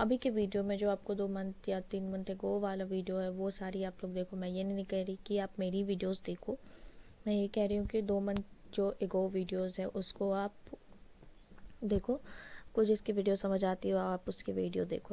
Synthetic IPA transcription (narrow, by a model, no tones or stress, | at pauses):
ɐbʱikeʋiːɖijomẽd͡ʒoːaːpkod̪oːmɐnt̪ʰjat̪iːnmɪnət̪eɡoːʋaːlaʋiːɖijoɦɛʋosaːɾiaːploːɡ̚d̪eːkʰomɛ̃ːjenɐɦinĩkɛɦɾɐikiaːpmeːɾiʋiːɖijoːzd̪eːkʰoːmɛ̃jekɛɦɾɐɦũkid̪oːmɐnt̪d͡ʒoːʔeɡoːʋiːɖijoːzɦɛ̃ʔʊskoaːp | d̪eːkʰoːkʊt͡ʃʰɪskiʋiːɖijosɐməd͡ʒʱaːt̪iɦɛoaːpʊskeʋiːɖijod̪ḛːkʰo